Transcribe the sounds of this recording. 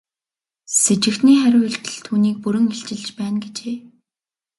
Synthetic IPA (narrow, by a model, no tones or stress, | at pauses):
set͡ɕɪ̆kt̪niːχæɾʲʊːɮt̪ɘ̆ɮt̪ʰuːniːk̚puɾɵ̆ŋeɬt͡ɕɪ̆ɮt͡ɕpæːnɡet͡ɕeː